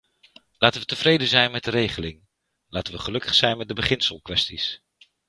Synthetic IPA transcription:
laːtənʋətəvrejdəzɛjnmɛdəɾejχəlɪŋ | laːtənʋəχəlɵkə̥χsɛjnmɛt̚dəbəχɪnsəlˠkʋɛstis

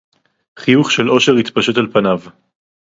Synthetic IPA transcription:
χijuχʃelo̞ʃe̞ʁit̪paʃut̪alpanav

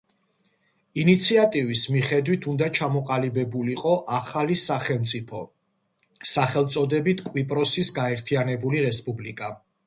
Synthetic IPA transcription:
init̪sʰiat̪ʼivismiχɛd̪wit̪ʰund̪at͡ʃʰamɔqʼalibɛbuliqʼɔʔaχalisaχɛmt̪sʼipʰɔ | saχɛlˠt̪sʼɔd̪ɛbit̪ʰkʼwipʼɾɔsisɡaɛɾt̪ʰianɛbuliɾɛspʼublikʼa

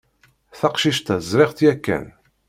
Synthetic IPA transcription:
θɑqʃiʃt̪æzɾɪʁt̪jækːæ̰n

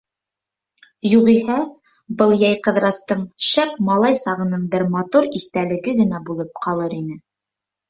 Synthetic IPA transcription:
juʁihæ | bɤlˠjɑjqɤ̆ðɾɑst̪ɤɴʃæp̚mɑlˠɑjsɑʁɤ̆nɤɴbɘɾmɑt̪uɾiθt̪ælɘ̆ɡɘɡɘ̆næbulˠɤp̚qʰɑlˠɤɾinɘ

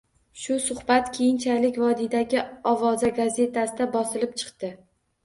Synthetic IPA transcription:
ʃʊsʊhbat̪kʲʰejɪnt͡ʃʰalɪkʲvɒd̪id̪aɡʲɪɒvɒzaɡaze̞t̪ʰasɪd̪abɒsɪlɪp̚t͡ʃʰɨ̥qt̪ɪ

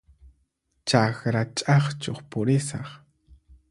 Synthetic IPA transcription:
t͡ʃaxɾat͡ʃʼɑχt͡ʃoχpʊɾɪsɑχ

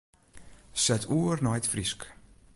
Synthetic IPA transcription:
sɛtʰuərnɔjtfrisk

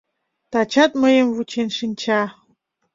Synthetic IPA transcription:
t̪at͡ɕat̪̚məjəmvut͡ɕʰenʂint͡ɕʰa

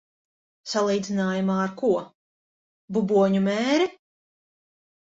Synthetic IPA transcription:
salˠiːd̪zinaːjumaːɾkuɔ | bubuɔɲumɛːɾi

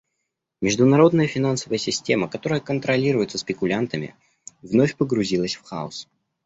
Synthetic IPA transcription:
mʲɪʐd̪ʊnɐɾo̞d̪nəjəfʲɪnansəvəjəsʲɪsʲtʲe̞məkɐt̪o̞ɾəjəkənt̪ɾɐlʲiɾʊjɪt̪səspʲɪkʊlʲant̪əmʲɪ̰ | vnofʲpəɡɾʊzʲilˠəsʲfxa̰ʊ̰s

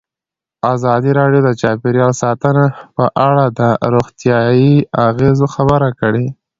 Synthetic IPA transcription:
azɑd̪iɾɑɖjod̪ət͡ʃɑpeɾjɑlsɑt̪ənapəʔaɽad̪əɾoɣt̪jɑjiaɣezoxabəɾakəɽe

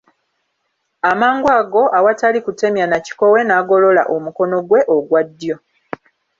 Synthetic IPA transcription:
amaːŋɡwaːɡo̞ʔawatalikute̞mjanaci̥ko̞we̞naːɡo̞lo̞la̰ʔomuko̞no̞ɡwe̞ʔoɡwadːjo̞

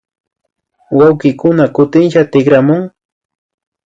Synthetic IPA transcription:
wawkɪkʊnakʊt̪ɪnʃat̪ɪkɾamʊŋ

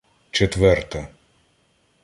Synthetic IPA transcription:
t͡ʃet̪ʋɛrt̪ɐ

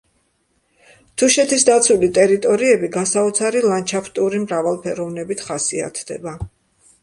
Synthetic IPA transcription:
t̪ʰuʃɛt̪ʰisd̪at̪sʰulit̪ʼɛɾit̪ʼɔɾiɛbiɡasaɔt̪sʰaɾilˠant͡ʃʰaft̪ʼuɾimɾavalˠpʰɛɾɔvnɛbit̪ʰχasia̰t̪ʰd̪ɛ̰ba

